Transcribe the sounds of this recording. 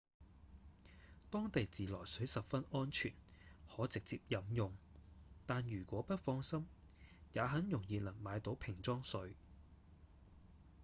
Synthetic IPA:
t̪ɔː˥ŋt̪e˨jt͡siː˨lɔː˨˩jsɵ˨˥ɥsɐ˨p̚fɐ˥nɔː˥nt͡ʃʰyː˨˩nhɔː˨˥t͡sɪ˨k̚t͡siː˧p̚jɐ˨˥mjʊ˨ŋt̪aː˨njyː˨˩kʷɔː˨˥pɐ˥t̚fɔː˧ŋsɐ˥m | jaː˨˧ɦɐ˨˥njʊ˨˩ŋjiː˨˧lɐ˨˩ŋmaː˨˧jt̪o˨˥wpʰɪ˨˩ŋt͡sɔː˥ŋsɵ˨˧ɥ

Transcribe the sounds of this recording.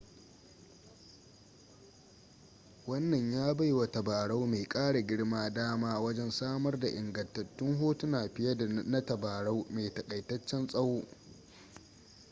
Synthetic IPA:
wɐ˦nːɐ˨ɲjaː˦ba˦jwa˨tɐ˨baː˨ɽa˦wmeː˨kʼaː˦ɽa˨ɡʲɪ˦ɽmaː˦daː˦maː˦wɐ˦d͡ʒɛ˦nsaː˦mɐ˦rda˨ʔɪ˨ŋɡɐ˨ntɐ˨tːʊ˦ŋɦoː˦tu˦naː˨ɸɪ˦jɐ˦dnɐ˦tɐ˨baː˨ɽa˦wmeː˨tɐ˨kʼɐ˨jtɐ˦t͡ʃːɛ˦nsʼɐ˦woː˦

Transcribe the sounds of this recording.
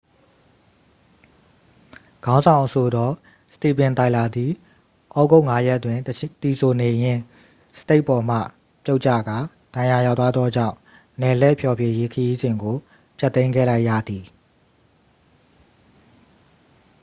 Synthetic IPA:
ɡ̥ã˦ʊ̃zã˨ʊ̃ʔəsʰo˨dɔ˦ | sə̥ti˨pɪ̃˨nt̪a˨ɪʔla˨d̪ði˨ | ʔɔ˦ɡo˦ʊʔŋa˦jɛ˦ʔtwɪ̃˨t̪i˨sʰo˨ne˨jɪ̃˦˨ | sə̥te˦ɪʔpɔ˨m̥ä̰˦˨ | pjo˦ʊʔt͡ɕä̰˦˨ɡa˨ | d̥ã˨ja˨ja˦˨t̪wa˦d̪ðɔ˦d͡ʑã̰˦˨ʊ̃ | nɛ˨lɛ˦˨pʰjɔ˨bje˨je˦kʰəji˦zɪ̃˨ŋɡo˨ | pʰja˦t̪ːẽ˦ɪ̃ŋɡɛ̰˦˨la˦ɪʔjä̰˦˨d̪i˨

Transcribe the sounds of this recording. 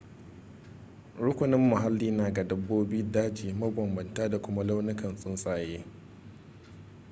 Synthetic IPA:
ɾʊ˦kʷʊ˨nɪ˦mːʊ˨ɦa˦lːiː˦naː˨ɡa˨dɐ˦bːoː˦biː˦daː˦d͡ʒiː˨mɐ˦bɐ˨mbɐ˨ntaː˦da˨kʷʊ˦ma˦la˦wnɪ˦kɐ˨nsʼʊ˦nsʼaː˨jeː˦

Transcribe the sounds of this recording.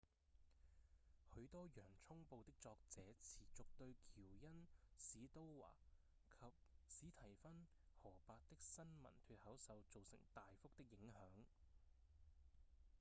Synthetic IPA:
hɵ˨˥ɥt̪ɔː˥jœː˨˩ŋt͡sʰʊ˥ŋpo˨˧wt̪ɪ˥k̚t͡sɔː˧k̚t͡sɛː˨˥t͡sʰiː˨˩t͡sʊ˨k̚t̪ɵ˧ɥkʰiː˨˩wjɐ˥nsiː˨˥t̪o˥wwa̰ː˨˩ | kʰɐ˨p̚siː˨˥t̪ʰɐ˨˩jfɐ˥n | hɔː˨˩paː˧t̚t̪ɪ˥k̚sɐ˥nmɐ̰˨˩nt̪ʰyː˧t̚hɐ˨˥wsɐ˨wt͡so˨wsɪ̰˨˩ŋt̪aː˨jfʊ˥k̚t̪ɪ˥k̚jɪ˨˥ŋhœː˨˥ŋ

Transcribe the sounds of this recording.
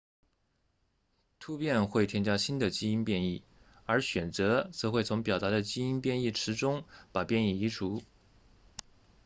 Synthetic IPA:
t̪ʰu˥pjɛ˥˧nxwe˥˩ɪt̪ʰjɛ˥nt͡ɕja˥ɕi˥nd̪ə˨t͡ɕi˥i˥npjɛ˥˧ni˥˩ | ə˞˧˥ɕɥɛ˨˩nt͡sɤ˧˥t͡sɤ˧˥xwe˥˩ɪt͡sʰʊ˧˥ŋpjɑ˨˩ʊt̪a˧˥d̪ə˧t͡ɕi˥i˥npjɛ˥˧ni˥˩ʈ͡ʂʰɻ̩˧˥ʈ͡ʂʊ˥ŋpa˨˩pjɛ˥˧ni˥˩i˧˥ʈ͡ʂʰu˧˥

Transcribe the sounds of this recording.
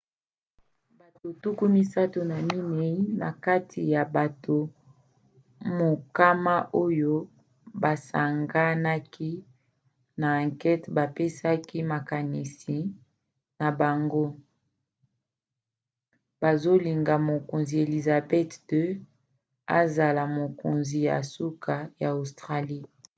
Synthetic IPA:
ba˨to˨tu˦ku˦mi˦sa˦to˨na˨mi˦ne˨i˦na˨ka˦tʰi˨ja˨ba˨tʰo˨ | mo˨ka˦ma˦ʔo˦jo˦ | ba˨sa˨ŋɡa˦na˦ki˦ | na˨ã˨ŋkɛ˦tba˨pe˦sa˦ki˦ma˨ka˨ni˨si˨ | na˨ba˨ŋɡo˦ | ba˨zo˦li˨ŋɡa˨mo˨ko˨nzi˨e˨li˨za˨bɛ˦tdø˦ | a̰˦za˨la˨mo˨ko˨nzi˨ja̰˨su˦kʰa˨ja˨o˨stʁa˦li˦

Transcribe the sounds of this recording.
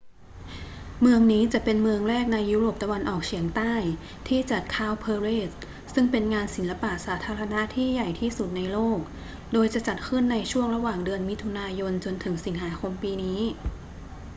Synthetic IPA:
mɯ˧əŋniː˦˥t͡ɕa˨˩ʔpe˧nmɯ˧əŋɾɛː˥˩k̚na˧jːuː˦˥ɾoː˨˩p̚t̪a˧wa˧nʔɔː˨˩k̚t͡ɕʰi˩˦əŋt̪aː˥˩j | t̪ʰiː˥˩t͡ɕa˨˩t̪̚kʰaː˥˩wpʰɤː˧ɾeː˥˩t̪̚ | sɯ˥˩ŋpe˧nŋaː˧nsi˩˦nla˧paː˨˩saː˩˦t̪ʰaː˧ɾa˧na˦˥ʔt̪ʰiː˥˩ja˨˩jt̪ʰiː˥˩su˨˩t̪̚na˧jloː˥˩k̚ | doː˧jt͡ɕa˨˩t͡ɕa˨˩t̪̚kʰɯ˥˩nːa˧jt͡ɕʰu˥˩əŋɾa˧waː˨˩ŋdɯ˧ənmi˦˥t̪ʰːu˧naː˧jo˧nt͡ɕo˧nt̪ʰɯ˩˦ŋsi˩˦ŋɦaː˩˦kʰo˧mpiː˧niː˦˥

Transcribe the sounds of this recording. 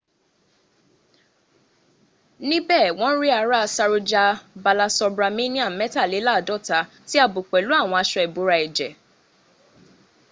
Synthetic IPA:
nĩ˦bɛː˦˨w̃ɔ̃˦ɾi˦a˨˦ɾa˦˧sa˧ɾo˧d͡ʒa˧ba˧la˧sɔ˧bɾa˧mĩ˦nĩ˦a˦˨mɛ˦ta˦˨le˨˦la˦˨dɔ˦˨ta˧˦ | ti˦a˦˨bo˨k͡pɛ˨lu˨˦a˦˨w̃ɔ̃˧a˧ʃɔ˧˨ɛ˨bo˨˦ɾa˧ɛ˨d͡ʒɛ˨

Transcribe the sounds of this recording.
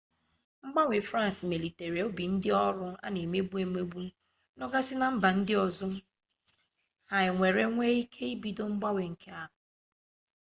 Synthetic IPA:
ŋ͡m̩˦ɡ͡ba˦we˨fɾa˦n˨smi˨li˨te˨ɾi˨o˦bi˨n̩˦dɪ˦ɔ˦ɾʊ˦a̰˦ne˨me˦bu˦e˨me˦bu˦ | nɔ˦ɡa˦sɪ˦na˨m̩˦ba˨n̩˦dɪ˦ɔ˨zʊ˦ | ha˨ɪ˨ŋʷe˨ɾe˦ŋʷe˦i˦kʰe˦i˦bi˦do˦ŋ͡m̩˦ɡ͡ba˦wʷe˨ŋ̩˨kʰe˦a˦ɦʊ˨

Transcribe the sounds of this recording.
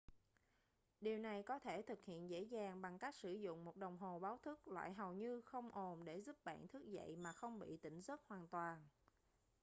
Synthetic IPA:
ɗi˨˩əwna˨˩jkɔ˨˦t̪ʰe˧˩t̪ʰɨ˨˩k̚hḭ˧˨ənzḛ˧˥zaː˨˩ŋɓa˨˩ŋka˦˥k̚sɨ˧˩zʊ̰˧˨ŋ͡mmo˨˩t̚ɗə˨˩wŋ͡mɦo˨˩ɓaː˨˦wt̪ʰɨ˦˥k̚lwa̰ː˧˨jɦə˨˩wɲɨ˧xə˧wŋ͡mʔo˨˩nɗe˧˩zu˦˥p̚ɓa̰ː˧˨nt̪ʰɨ˦˥ək̚zə̰˧˨jmaː˨˩xə˧wŋ͡mɓḭ˧˨t̪ï˧˩ŋ̟zə˦˥t̚hwaː˨˩nt̪waː˨˩n

